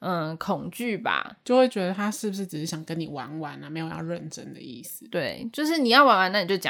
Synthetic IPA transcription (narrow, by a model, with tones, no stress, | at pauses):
kʰʊ˨˩ŋt͡ɕy˥˨ba̰˨˩t͡ɕjo˥˧ʊxwe˥˩ɪt͡ɕɥɛ˧˥d̪ə˧t̪ʰa˦˥ʂɻ̩˥˩bu˩ʂ̬ɻ̩˥˩ʈ͡ʂɻ̩˨˩ʂɻ̩˥˩jɑ˨˩ŋkə˦ni˨˩wa̰˧˥nwa˧˦na˨me˧˥ɪjo˨˩ʊjɑ̰˥˧ʊɻə˥˨nʈ͡ʂə̰˦˥nd̪ə̰˨ḭ˥˩s̩˨˦t̪we˥˩ɪt͡ɕjo˥˧ʊʂ̬ɻ̩˥˩ni˨˩jɑ˥˩ʊwa˧˥nwa˧˦na˥˩ni˨˩t͡ɕo˥˧˩t͡ɕ